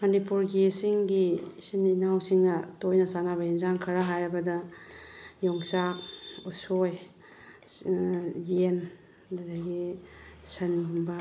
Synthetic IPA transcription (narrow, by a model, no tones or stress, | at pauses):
mɐnipuɾɡisiŋɡisininawsiŋɐtojnɐsanabɐinzaŋkʰɐɾaɦajɾɐbɐdɐ | jɔŋsakusoj | jen | dɐdɐɡisɐniɦumbɐ